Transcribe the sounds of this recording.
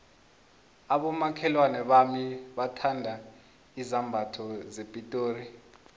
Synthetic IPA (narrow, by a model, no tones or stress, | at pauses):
aɓɔmakʰɛlwanɛɓamiɓatʰandʱa | izambʱatʰɔzepʼitʼoːri